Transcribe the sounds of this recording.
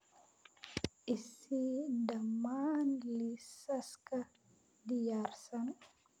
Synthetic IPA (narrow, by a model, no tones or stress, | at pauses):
isidamanlisaska | dijarsan